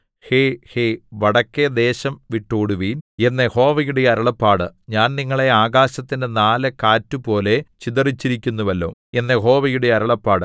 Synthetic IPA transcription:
heheʋɐɽɐkːed̪e̞ːɕɐmʋiʈːuːɽuʋiːne̞nːeho̞ːʋɐjuɽe̞ɐɾɐɭɐpːaːɽɨɲaːnniŋːɐɭe̞aːɣaːɕɐt̪ːindenaːlɐkaːtːupo̞ːle̞t͡ɕid̪ɐrit͡ɕːiɾikʲːunːuʋɐlːo̰ːe̞nːeɦo̞ːʋɐjuɽe̞ɐɾɐɭɐpːaːɽɨ

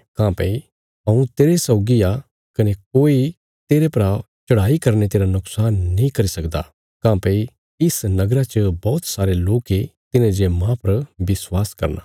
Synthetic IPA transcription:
kãːpɐ̰i | ɐũt̪eːɾesɐʊɡia | kɐnek̚oːi | t̪eːɾepɐɾa | t͡ʃɐɽ̤aːikɐɾnet̪eːɾanʊksaːnːɦĩkɐɾisɐkd̪a̰ | kãːpɛ̃i | ɪsnɐɡɾat͡ʃəbɔːt̪saːɾeloːket̪ɪnẽd͡ʒemãpɐɾbɪswaːskɐ̰ɾna̰

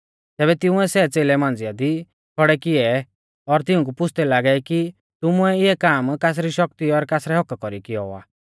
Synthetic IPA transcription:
t̪ɛːβɛt̪ɪ̃ũɛsɛt͡seːlɛmãːn̆d͡zɪjad̪i | kʰɔɽɛkɪɛ | ɔɾt̪ɪũk̬upʊt͡sʰt̪ɛlaːɡɛki | t̪ʊmuɛɪɛkaːmkaːs̬ɾiʃɔk̚t̪iɔɾkaːsɾɛɦɔkkɔɾikɪɔa̰ː

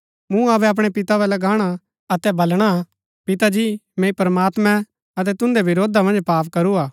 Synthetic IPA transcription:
mũɐbɛɐp̬ɽ̃ɛpɪt̪aʋɛlɐɡaːɽ̃a | ɐt̪ɛbɐlɽ̃a | pɪt̪ad͡ʒiːmẽːipɾəmaːt̪mɛ̃ | ɐt̪̬ɛt̪ʊ̃nd̪eʋɪɾoːd̪ʱamɐ̃nd͡ʒpaːpkɐɾuaː

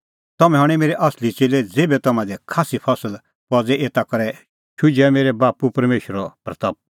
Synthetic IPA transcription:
t̪ɐmɛ̃ɦɐɽ̃ɛmeːɾɛʔɐslit͡seːlɛd͡zeːbɛt̪ɐmãd̪ɛkʰaːsipʰɐsəl | pɔd͡zɛʔeːt̪akɐɾɛ | ʃʰʊd͡ʒɛmeːɾɛbaːpupɐɾmeːʃɾɔpɾɐt̪ɐp̚

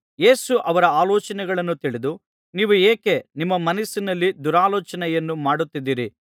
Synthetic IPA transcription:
je̞ːsuʔɐʋɐɾɐaːlɔːt͡ʃɐnɛɡɐɭɐnːut̪iɭid̪u | niːʋueːke̞nimːɐmɐnɐsːinɐlːid̪uɾaːlɔːt͡ʃɐnɛjɐnːumaːɽut̪ːid̪ːiːɾi

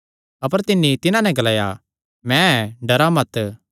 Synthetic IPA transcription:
ɐpəɾt̪ɪnːit̪ɪnãnɛ̃ɡɐlaːja̰ | mɛ̃ɛɖɐɾamɐt̪

